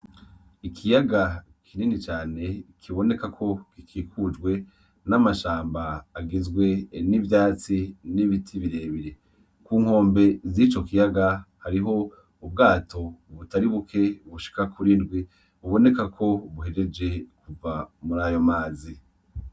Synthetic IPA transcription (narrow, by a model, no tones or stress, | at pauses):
ikʰijaɡa | kʰininit͡ʃaːne̞kʰiβo̞ne̞kakʰo̞kikʰiːkʰud͡ʒɡwe̞ | namaʃaːmbaːɡizɡwe̞nivjaːt͡siniβitʰiβiɾe̞ːβiɾe̞ | kuːŋ̥ho̞ːmbe̞zit͡ʃo̞kijaɡahaɾiɦo̞ | ub̚ɡaːtʰo̞βutaɾiβukʰe̞βuʃi̥kakʰuɾindɡwi | βuβo̞ne̞kakʰo̞βuɦe̞ɾe̞d͡ʒe̞kuvamuɾaːjo̞maːzi